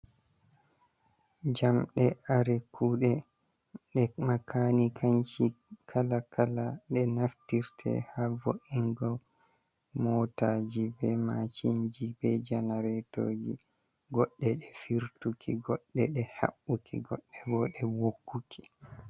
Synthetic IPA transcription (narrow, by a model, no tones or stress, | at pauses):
d͡ʒamɗɛaɾɛkʰuːɗɛ | ɗɛmakʰanikʰant͡ʃikʰalakʰalaɗɛnaftiɾtʰɛ̰havoʔiŋɡɔ | mɔtad͡ʒibɛmat͡ʃiɲd͡ʒibɛd͡ʒanaɾɛtoːd͡ʒi | ɡɔɗːɛɗɛfiɾtukʰiɡɔɗːɛɗɛha̰ɓːukʰḭɡɔɗːɛbɔɗɛwokːukʰi̥